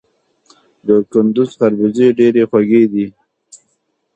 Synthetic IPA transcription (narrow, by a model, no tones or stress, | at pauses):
d̪əkʊnd̪ʊzxaɾbizeɖeɾexwaɡed̪i